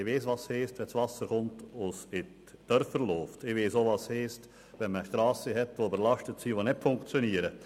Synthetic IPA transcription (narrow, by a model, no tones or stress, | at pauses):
ɪʋeːsʋɑsheːstʋɛsvɑsəɾχʊntʊsɪt | d̥œrfəɾloːftɪʋeːsoʋɑsheːst | ʋɛnməʃtɾɑːsəɦɛtʋobəɾlɑʃtətsiʋonɪtfʊŋkt͡sjoniːəɾə